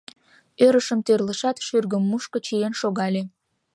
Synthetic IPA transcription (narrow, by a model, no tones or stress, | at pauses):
øɾəʃəmt̪ørləʃɑt̪ʃyrɣəmːuʃkə̆t͡ɕijenʃoɣɑlʲe